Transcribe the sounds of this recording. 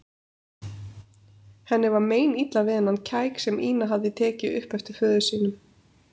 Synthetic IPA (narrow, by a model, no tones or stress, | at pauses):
hɛnːɪvaɾmeːjnit̪lavɪðɪnːancʰaːjksɛmʔiːnaɦavðɪt̪ʰɛːcɪʏ̰hpɛft̪ʏ̥fœːðʏsiːnʏm